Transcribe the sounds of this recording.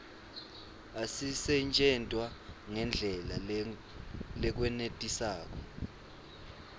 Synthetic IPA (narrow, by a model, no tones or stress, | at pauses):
asisɛnt͡ʃʼɛntʼwaŋɛnd͡ɮʱɛla | lɛk̬wɛnetʼisaːk̬ɔ